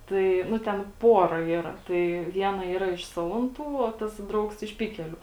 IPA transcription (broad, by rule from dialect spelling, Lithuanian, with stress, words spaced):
ˈtɐɪ ˈnʊ tʲɛn ˈpoːrɐ ˈiːrɐ ˈtɐɪ ˈʋʲiɛnɐ ˈiːrɐ ɪʃ ˈsɑːlˠɐnˌtuː oː ˈtɐs ˈdrɐʊks ɪʃ ˈpʲɪkʲɛlʲʊ